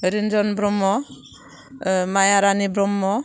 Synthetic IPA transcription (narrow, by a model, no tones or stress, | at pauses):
ɾind͡ʒɔnbɾɔmːɔ | majaɾanibɾɔmːɔ